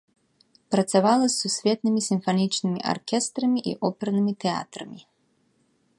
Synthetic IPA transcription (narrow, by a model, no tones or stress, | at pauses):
pɾɐt̪savalˠɐsːusʲvʲɛt̪nɨmʲisʲimfanʲit͡ʂnɨmʲiʔa̰rkʲɛst̪ɾɐmʲiʔḭʔɔpʲɛrnɨmʲit̪ɛa̰t̪ɾɐ̰mʲi